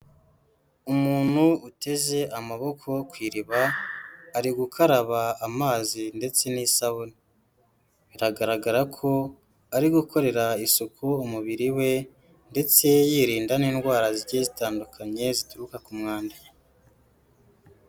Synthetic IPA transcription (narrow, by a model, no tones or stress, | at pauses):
umuːn̥huute̞ze̞ʔamaβo̞kʰo̞kwiːɾiβaː | ɾiɡukʰaɾaβaːmaːzinde̞t͡se̞nisaβuni | βiɾaɡaɾaɡaɾakʰo̞ | aɾiɡukʰo̞ɾe̞ɾaisukʰuumuβiɾiwe̞ | nde̞t͡se̞jiːɾiːndaniːnɡwaːɾaziɟezitaːndukʰaɲe̞zituɾukakumŋaːnda